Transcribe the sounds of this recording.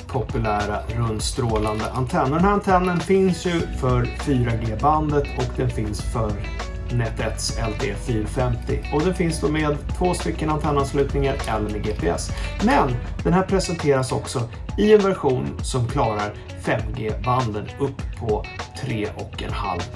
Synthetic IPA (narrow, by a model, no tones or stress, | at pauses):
pʰɔpɵlæːɾaɾɵnd̪st̪ɾoːland̪əʔant̪ʰɛnːɔd̪ɛnhæːɾant̪ʰɛnːənfɪnsjɵfœɾfyːɾaɡeːband̪ət̪ʰɔkd̪ɛnfɪnsfœɾ | nɛt̪ʰɛt̪sɛlt̪ʰḛːfyːɾfɛmt̪ɪ̰ɔd̪ɛnfɪnsd̪oːmeːd̪t̪ʰvoːst̪ʏkːənant̪ʰɛnːanslʉ̟ːt̪nɪŋaɾɛlːəɾmeɡeːpʰeɛ̰smɛnd̪̥ɛnhæːɾpʰɾɛsɛnt̪ʰeːɾasɔksɔ | ɪɛnvæɾɧuːnsɔmkʰlɑːɾaɾ | fɛmːɡeːband̪ənɵpʰːɔt̪ʰɾeːʔɔkɛ̰nha̰lv